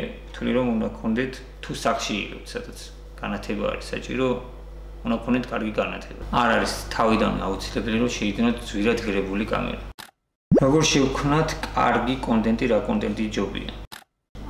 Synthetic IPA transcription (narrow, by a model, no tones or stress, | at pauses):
t̪ʰliɾɔmund̪akʰɔnd̪ɛt̪ʰːusaχʃḭːʁɛ̰t̪ʰsad̪at̪sʰ | ɡ̥anat̪ʰɛba̰ːɾisːa̰t͡ʃʼḭɾɔ | unakʰɔnd̪ɛt̪ʰkʼaɾɡiɡanat̪ʰɛbaaɾaɾist̪ʰavid̪an̰aut̪sʰilɛbɛliɾɔʃɛid̪nɔt̪ʰd̪zwiɾad̪iɾɛbulikʼa̰mɛ̰ɾa | ɾɔɡɔɾʃɛukʰmnat̪ʰkʼa̰ɾɡikʼɔnt̪ʼɛnt̪ʼiɾakʼɔnt̪ʼɛnt̪ʼisd͡ʒɔbḭa̰